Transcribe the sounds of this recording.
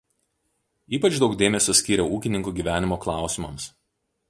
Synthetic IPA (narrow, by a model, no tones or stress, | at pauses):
iːpɐt͡ʃd̪ɒʊkd̪ʲeːmʲɛsʲɔːsʲkʲiːɾʲɛuːkʲɪnʲɪŋkuːɡʲiːʋʲæːnʲɪmoːklˠɑˑʊsʲɪmɐms